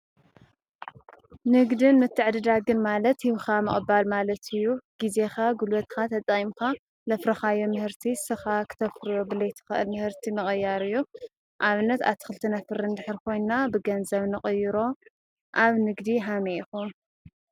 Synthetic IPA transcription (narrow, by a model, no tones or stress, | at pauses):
nɨɡd̪ɨnmɨt̪ʰːɨʕd̪ɨd̪aɡɨnmalɐt̪hiwxamɨɨbalmalɐt̪ʰɨjːuɡ̥ize̞xaɡulɐt̪̚ʼkʰat̪ʰɐt͡s̪ʼaimka | lɐfɾɐxajomɨhɨɾt̪ʰisɨxakʰɨ̥t̪ʰɐfɾɨjo̞bɨlɐjt̪ʰɨ̥xɨʔɨ̰lmɨhɨɾt̪ʰimɨχʼɨjːaɾɨjːu | ʔaβɨnːɐt̪a̰βt̪ʰɨ̥xɨlt̪ʰɐnɐfɨɾɨnd̪ɨħɨɾkʰo̞jnabɨɡɐnzɐβnɨχʼɨjɪɾo̞ | ʔaβnɨɡd̪iɦamexun